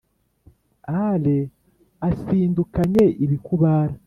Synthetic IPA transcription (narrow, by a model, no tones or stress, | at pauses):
ale | asiːndukaɲe̞ʔiβikuβaːɾa